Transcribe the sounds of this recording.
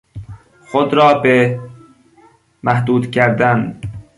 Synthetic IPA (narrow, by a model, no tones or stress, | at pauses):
xod̪ɾɒːbe | mæhd̪uːd̪cʰæɾd̪æn